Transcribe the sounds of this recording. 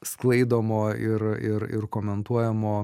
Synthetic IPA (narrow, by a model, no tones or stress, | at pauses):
sklˠɐɪd̪oːmoːɪɾɪɾɪ̰ɾkoːmʲɛnt̪uɔjɛmoː